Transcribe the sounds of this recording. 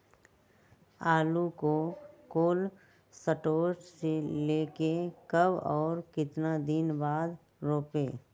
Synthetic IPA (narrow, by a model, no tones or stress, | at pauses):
aːlukokoːl | səʈoːʃseleːkekəbɔːɾkɪt̪nad̪ɪnbaːd̪ | ɾoːpeː